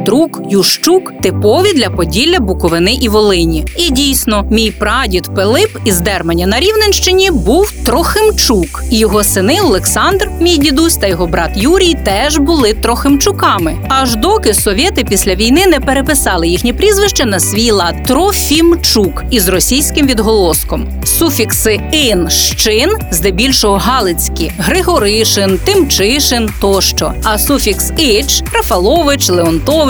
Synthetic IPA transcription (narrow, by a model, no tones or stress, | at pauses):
d̪ɾukjuʃt͡ʃukt̪ɪpɔʋʲid̪lʲɐpɔdʲilʲːɐbʊkɔʋɪnɪʔiʋɔlˠɪnʲiidʲijsʲnɔmʲijpɾɑdʲit̪pelˠɪpizd̪ɛrmɐnʲːɐnɐɾʲiwnenʃt͡ʃɪnʲibuwt̪ɾɔxɪmt͡ʃukijɔɦɔsɪnɪɔlˠeksɑnd̪rmʲijdʲid̪usʲt̪ɐjɔɦɔbɾɑt̪juɾʲijt̪ɛʒbʊlˠɪt̪ɾɔxɪmt͡ʃʊkɑmɪɐʒd̪ɔkɪsɔʋʲet̪ɪpʲisʲlʲɐʋʲijnɪnɛpeɾepɪsɑlˠɪjixnʲipɾʲizʋɪʃt͡ʃɐnɐsʲʋʲijlˠɑt̪ɾɔfʲimt͡ʃukizrɔsʲijsʲkɪmʋʲid̪ɦɔlˠɔskɔm | sufʲiksɪɪnʃt͡ʃɪnzd̪ɛbʲilʲʃɔɦɔɦɑlˠɪt͡sʲkʲiɦɾɪɦɔɾɪʃɪnt̪ɪmt͡ʃɪʃɪnt̪ɔʃt͡ʃɔ̰ɐsufʲiksɪt͡ʃɾɐfɐlˠɔʋɪt͡ʃlˠeɔnt̪ɔʋ